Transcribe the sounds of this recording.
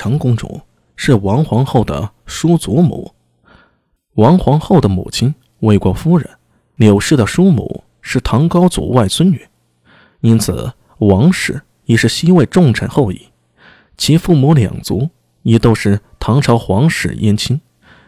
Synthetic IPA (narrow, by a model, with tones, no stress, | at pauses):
ɑ˧˥ŋkʊ˥ŋʈ͡ʂʊ̰˨˩˦ | ʂɻ̩˥˩wɑ˧˥ŋxwɑ˧˥ŋxo˥˩ʊd̪ə̰˩ʂu˥t͡su˧˥mṵ˧˥˦ | wɑ˧˥ŋxwɑ˧˥ŋxo˥˩ʊd̪ə˩mṵ˨˩t͡ɕʰi˥n | we˥˧ɪkwɔ˥˩fu˥ɻə̰˧˥˦n | ljo˨˩ʊʂɻ̩˥˩d̪ə˩ʂu˥mṵ˧˩˦ | ʂɻ̩˥˩t̪ʰɑ˧˥ŋkɑ˥ʊt͡sṵ˨˩wa˥˩ɪsʰwə˥ny̰˨˩˥n | i˥nt͡sʰɹ̩̰˨˩ | wɑ˧˥ŋʂɻ̩˨˧˥ | jɛ˨˩ʂɻ̩˥˩ɕi˥we˥˧ɪʈ͡ʂʊ˥˩ŋʈ͡ʂʰa˨˩nxo˥˧ʊḭ˥˩ | t͡ɕʰi˧˥fu˥˩mu˧˥ljɑ̰˨˩ŋt͡su˧˥ | jɛ˨˩t̪o˥ʊʂɻ̩˥˩ | t̪ʰɑ˧˥ŋʈ͡ʂʰɑ˧˥ʊxwɑ˧˥ŋʂɻ̩̰˨˩jɛ˥nt͡ɕʰi˥n